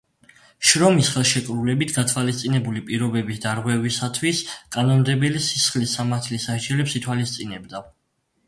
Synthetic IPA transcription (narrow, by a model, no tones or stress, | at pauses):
ʃɾɔmisχɛlˠʃɛkʼɾulɛbit̪ʰɡat̪ʰwalist̪sʼinɛbulipʼiɾɔbɛbisd̪aɾʁwɛvisat̪ʰwiskʼanɔnd̪ɛbɛlisisχlisːamaɾt̪ʰlisaʃd͡ʒɛlɛpsit̪ʰwalist̪sʼinɛbd̪a